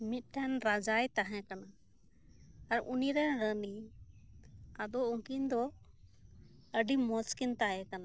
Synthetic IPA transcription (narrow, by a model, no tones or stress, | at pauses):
mit̪̚ˀʈɛnɾad͡ʒajt̪aɦɛ̃kana | aɾuniɾɛnɾəni | ad̪ɔuŋkind̪ɔ | əɖimɔskint̪aɦɛ̃kana